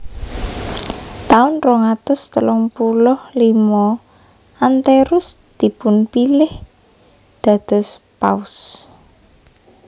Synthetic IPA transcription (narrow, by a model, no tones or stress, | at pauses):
t̪aʊnrɔŋat̪ʊst̪əlʊŋpulʊhlimɔ | ant̪eɾʊsd̪̥i̤pʊnpilɪh | d̪̥ä̤d̪̥ɔ̤s | pa̰ʊs